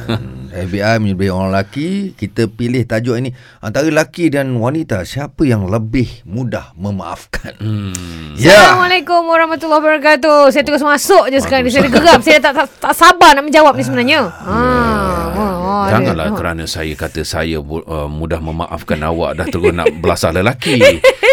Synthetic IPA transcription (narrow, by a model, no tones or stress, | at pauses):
ɛfbiajməɲəbaoɾaŋlakikit̪əpilɪht̪ad͡ʒɔʔini | ant̪aɾəlakidanwanit̪asiapəjaŋləbɪhmũdahməma̰ʔa̰fkan | jaalamalekʊmɾahmat̪ulːɔhbəɾak̬at̪̬us̬ajət̪uɡʊs̬masʊʔd͡ʒus̬ə̥kaɾaŋnis̬ajadəɡəɾap̚sajat̪aʔat̪aʔsabanaʔmə̃ɲd͡ʒawap̚nis̬əbənaɲəə̃ | d͡ʒaŋŋanla̰hkkəɾanəsajəkat̪əsa̰jəəmudahməma̰ʔa̰fkana̰wa̰ʔdaht̪əɾʊsna̰ʔʔbəlasaləlaki